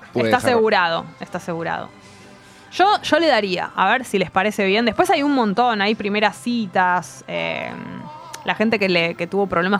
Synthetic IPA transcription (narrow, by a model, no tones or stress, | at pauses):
esaseɣuɾaðo̞̰est̪ase̞ɣuɾa̰ð̞o̞̰ | ʒ̥o̞ʒ̥o̞le̞ðaɾia̰ʔa̰βeɾsilespaɾe̞se̞βje̞nd̪epwesajunmõnt̪o̞najpɾime̞ɾasit̪asḛm | laxe̞nt̪e̞keleket̪uβo̞pɾo̞βle̞ma